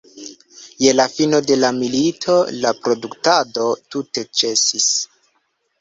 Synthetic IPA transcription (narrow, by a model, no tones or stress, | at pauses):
je̞lafino̞de̞lamilitʰo̞lapɾo̞duktado̞tute̞t͡ʃe̞sis